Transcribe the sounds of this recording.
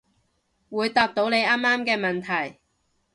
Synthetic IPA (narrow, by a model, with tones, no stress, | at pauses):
wuː˨˧jt̪aː˧p̚t̪o˨˥wne˨˧jaː˥mːaː˥mkɛː˧mɐ˨nt̪ʰɐ˨˩j